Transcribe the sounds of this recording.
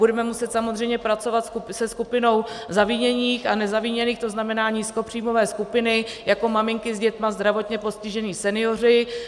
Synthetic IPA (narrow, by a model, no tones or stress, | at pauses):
budɛmɛmusɛt̪samozr̝ɛjmɲɛpɾat͡so̞vat̪skusɛskupɪno̞wzaviːɲɛɲiːxanɛzaviːɲɛniːxt̪o̞znamɛnaːɲiːsko̞pr̝̥iːmovɛːskupɪnɪjako̞mamɪŋkɪzɟɛt̪mazd̪ɾavo̞t̪ɲɛpo̞scɪʒɛniːsɛnɪjo̞r̝ɪ